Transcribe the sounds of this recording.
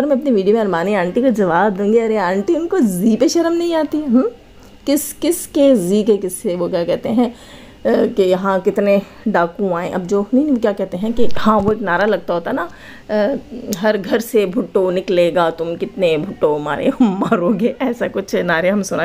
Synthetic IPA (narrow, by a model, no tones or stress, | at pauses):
ɐɾmɛ̃ɐpniʋiːɖijomẽɐɾmaːneaːɳʈikad͡ʒɐʋaːb̚d̪ũːŋɡeɐɾeãːɳʈiʊnkoziːpeʃɐɾəmnɐɦĩaːt̪iɦɛɦ | kɪskɪskeziːkekɪsːeʋokjaːkɛɦt̪eɦɛ̃ | kejɐɦãkɪt̪ne | ɖaːkũaːẽʔɐb̚d͡ʒoːnɐɦĩkjaːkɛɦt̪eɦɛ̃kihãːʋoeːknaːɾalɐɡ̚t̪aɦoːt̪aɦna | ɦɐɾɡʱɐɾsebʱʊʈːonɪkleːɡaːt̪ʊmkɪt̪nebʱʊʈːoma̰ːɾḛɦɐmːaːɾoːɡeːɛːsakʊt͡ʃʰnaːɾeɦɐmsʊna